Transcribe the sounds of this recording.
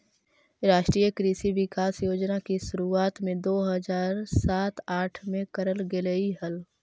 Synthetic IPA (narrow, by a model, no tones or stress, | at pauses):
ɾaːʃʈɾiːjəkɾiːsiʋɪkaːsjoːd͡ʒnakiʃʊɾuaːt̪mẽd̪oːɦəzaːɾsaːt̪aːʈʰmẽkəɾəlɡeləiɦəl